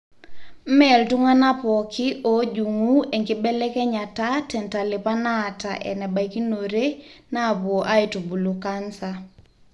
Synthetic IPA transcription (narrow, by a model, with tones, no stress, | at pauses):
mɛ˦˨ltu˦ŋa˦na˦pɔ˨kʰɪ˦ʔo˦d͡ʒu˨ŋu˦e˨ŋɡɪ˦bɛ˦lɛ˦kɛ˦ɲa˨ta˦tɛ˨nta˨lɪ˨pa˦na˦˨ta̰˨ʔɛ̰˨nɛ˨ba˨jki˦no˨ɾe˦na˦˨pwo˨ʔa˦i˨tu˨bu˨lu˨ka˦nsa